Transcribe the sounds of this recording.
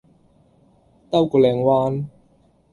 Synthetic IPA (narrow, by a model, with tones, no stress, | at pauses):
t̪ɐ˥wku˨˩lɛː˨˩ŋwaː˧˥n